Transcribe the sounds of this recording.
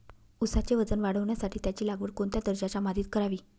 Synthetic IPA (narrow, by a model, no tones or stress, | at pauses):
usat͡ɕeʋəd͡zənʋaɽəʋɳjasaʈʰiːt̪jat͡ɕiːlaɡʋəːɾkoɳt̪jad̪əɾd͡ʑat͡samad̪ʱiːt̪kəɾaʋiː